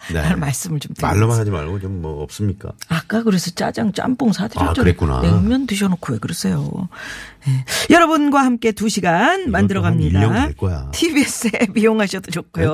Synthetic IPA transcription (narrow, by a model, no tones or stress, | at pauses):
neaɭmaɭs͈ɯmɯɭt͡ɕomtɯa̰ɭːʌmanɦad͡ʑima̰ɭɡot͡ɕomːʌʌp̚s͈ɯmɲik͈a̰ak͈akɯɾe̞sʰʌt͡ɕ͈a̰d͡ʑaŋt͡ɕ͈a̰mp͈oŋsʰadʰɯɾjʌt͡ɕoɯɾek͈una̰eŋmjʌndɯɕ̬ʰʌnokʰoekɯɾes͈ʰe̞jo̰ | je̞jʌɾʌbɯnɡwahamk͈e̞tuɕʰiɡanmandɯɾʌɡamɲidaɭk͈oja̰tʰibie̞s͈epioŋɦaɕʰʌdod͡ʑok͈ʰujo